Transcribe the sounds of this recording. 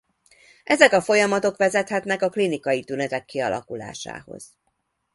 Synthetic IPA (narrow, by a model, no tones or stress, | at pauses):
ʔɛzɛkɒfo̞jɒmɒt̪o̞kʋɛzɛt̪hɛt̪nɛkɒklinikɒjit̪ynɛt̪ɛkːiɒlɒ̰kula̰ːʃa̰ːho̞̰z̥